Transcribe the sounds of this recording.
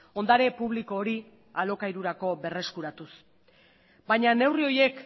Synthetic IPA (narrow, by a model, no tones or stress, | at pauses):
o̞nd̪aɾe̞puβ̞liko̞ːɾi | alo̞kajɾuɾako̞βe̞re̞skuɾat̪us | bajɲane̞wrio̞je̞k